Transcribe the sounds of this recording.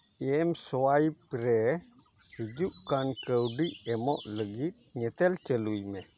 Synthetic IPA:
iɛmsoajpəɾe | hid͡ʒuʔkankəwdiʔemɔ̰ʔləɡit̪̚ɲət̪əlt͡ʃəluime

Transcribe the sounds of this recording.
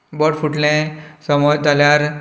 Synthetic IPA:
bɔɽfuʈlẽsəmɔt̪aljaɾ

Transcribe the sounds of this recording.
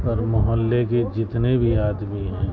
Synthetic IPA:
ɔɾmʊɦəlːeked͡ʒɪt̪nebʱiaːd̪miɦɛ̃ː

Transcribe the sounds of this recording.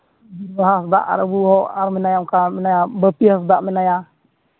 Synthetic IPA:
bibaɦasda̰ʔa̰ɾabuɦɔʔaɾminajamkaminajabəpiasd̪aʔminaja

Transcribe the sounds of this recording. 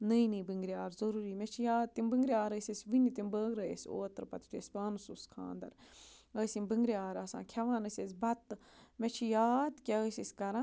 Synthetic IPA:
nəjnɨbɨŋɡɾiaːɾzɐɾuːɾiːmet͡ʃʰijaːd̪̚t̪imbɨŋɡɾiaːɾəsʲesʲʋinit̪imbəːɡɾɐjesʲoːt̪ɾpɐt̪i̥t̪ʰesbaːnususkʰã̰ːnd̪ɐ̰ɾəːsimbɨŋɡɾiaːɾɐːsã̰ːkʰɐʋãːnəsʲesʲbɐt̪met͡ʃʰijaːd̪kʲeəːsʲisʲkɐɾã

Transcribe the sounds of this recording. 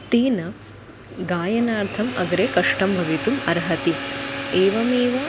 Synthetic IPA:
t̪iːnɐ | ɡaːjɐnaːɾt̪ʰɐmɐ̰ɡɾeːkɐʂʈɐmbʱɐʋit̪umɐɾɦɐt̪ieːʋɐmeːʋɐ

